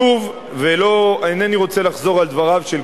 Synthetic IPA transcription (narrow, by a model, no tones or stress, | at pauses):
uv | velo̞aineniʁo̞t͡se̞laχzo̞ʁald̪vaʁavʃel